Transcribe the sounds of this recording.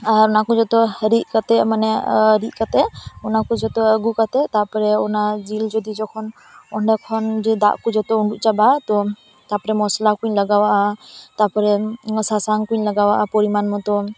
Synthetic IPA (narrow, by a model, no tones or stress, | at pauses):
aɾɔnakɔd͡ʒɔt̪ɔɾiʔ̚kat̪ɛmanɛɾiʔ̚kat̪ɛɔnakud͡ʒɔt̪ɔəɡukat̪ɛt̪apɔɾɛɔnad͡ʒild͡ʒɔd̪id͡ʒɔkʰɔn | ɔɳɖɛkʰɔnd͡ʒɛd̪a̰ʔkud͡ʒɔt̪ɔuɳɖuʔt͡ʃabat̪ɔ | t̪apɔɾɛmɔslakuɲlaɡawaʔat̪apɔɾɛsasaŋkuɲlaɡawaʔapɔɾimanmɔt̪ɔ